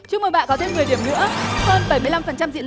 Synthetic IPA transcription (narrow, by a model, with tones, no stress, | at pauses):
t͡ɕɨ˧əməː˨˩ɓ̰ːnkɔ˨˦t̪ʰe˧mŋɨ˨˩əɗi˧˩əmnɨ̰˧˥əhəː˧nɓə˧˩jmɨ˧jla˧mfə˨˩nt͡ɕa˧mzḭ˧˨